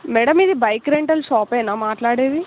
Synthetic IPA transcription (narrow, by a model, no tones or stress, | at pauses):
mɛɽɐmid̪ibɐjkɾeɳʈɐlʃɔːpɛːnaːmaːʈlaːɽeːd̪i